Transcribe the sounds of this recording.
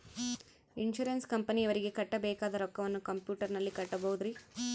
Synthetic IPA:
inʃuɾenskɐmpɐniiʋɐɾiɡe̞kɐʈːɐbɛːkaːd̪ɐɾɔkːɐʋɐnːukɐmpjuːʈɐɾnɐlːikɐʈːɐbɐʋud̪ɾi

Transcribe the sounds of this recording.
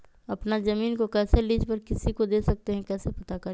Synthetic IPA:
ɐpnazɐmiːnkokɛːseliːd͡ʒpɐɾkɪsikod̪eːsɐk̚t̪eɦɛ̃kɛːsepɐt̪akɐɾ

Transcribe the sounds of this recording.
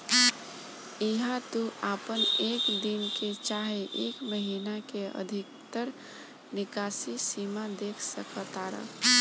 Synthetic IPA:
ɪɦat̪uʔaːpəneːkd̪inket͡ʃaːɦeʔeːkməɦiːnakeə̰d̪ʱɪk̚t̪əɾ | nɪkaːsisimad̪eːkʰsəkʰət̪aɾə̰

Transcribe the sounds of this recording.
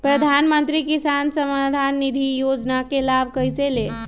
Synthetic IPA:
pɾəd̪ʱanmənt̪ɾikisansəmad̪ʱanːid̪ʱijod͡ʒnakelab̚ʱkəjsele

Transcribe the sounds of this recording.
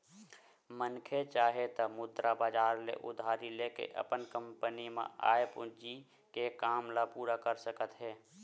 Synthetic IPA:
mənkʰet͡ʃaːɦet̪əmʊd̪ɾabaːd͡ʒaːɾlḛʔʊ̰d̪ʱaːɾilekḛʔə̰pənkə̃mpənimḛ̃a̰ːepʊd͡ʒi | kekaːmlapuːɾakəɾsəkət̪ɦɛː

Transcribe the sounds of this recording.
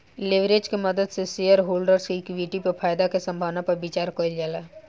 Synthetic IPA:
lɪʋɾeːd͡ʒkeməd̪əd̪seseːjəɾɦoːlɖəɾskikʋiːʈipɐfʰaːjd̪akesɐ̃mbʱaʋnapɐɾbit͡ʃaːɾkoːɪld͡ʒaːlaː

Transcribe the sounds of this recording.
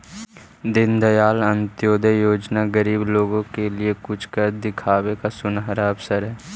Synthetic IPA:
d̪ɪnd̪ɐjaːlə̃nt̪joːd̪əjoːd͡ʒnaɡəɾiːbloːɡõkeliekʊt͡ʃʰkəɾd̪ɪkʰaːwekasʊnɦəɾaɐbsəɾɦɛː

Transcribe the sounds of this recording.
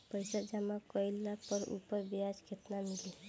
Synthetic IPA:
pəjsad͡ʒamakɔjlːakpɔɾṵpɔɾbiad͡ʒkʰet̪namili

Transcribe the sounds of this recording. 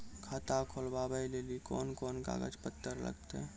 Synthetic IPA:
kʰat̪akʰolbabəjlelikɔ̰ːnkɔːnɡa̰ːɡə̰d͡ʒpət̪ːəɾlə̰ɡt̪ḛ

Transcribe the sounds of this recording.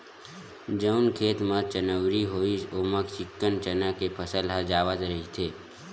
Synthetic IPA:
d͡ʒəʊnkʰeːt̪mãt͡ʃənəwɾiɦoːid͡ʒoːməkt͡ʃɪkːənt͡ʃənakepʰəsəlɦad͡ʒaːʋəd͡ʒ̪ɾəɦit̪ʰeː

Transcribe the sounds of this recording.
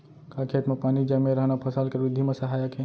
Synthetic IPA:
kakʰeːt̪mepaːnid͡ʒameɾəɦnapʰɐsalkeɾɪd̪ʱːimẽsəɦaːjəkɦɛ

